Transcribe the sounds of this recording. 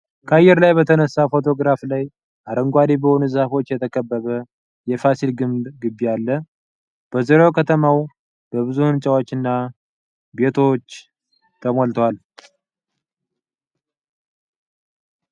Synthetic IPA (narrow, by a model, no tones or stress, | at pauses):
kʰəajːɛɾlajbət̪ʰənəsːafo̞t̪ʰo̞ɡɾaflaj | ʔaɾəŋɡʷad̪ibəho̞nuzahfo̞t͡ʃːjɛt̪ʰəkʰəbːəβə | jɛfasilɡɨmd̪ɡɨbːialːə | b̥əzɨɾokʰət̪ʰəmaw | b̥əβɨzuhɨnt͡ʃʼawot͡ʃːɨnːa | be̞t̪ʰo̞t͡ʃː | t̪ʰəmolt̪ʰəwal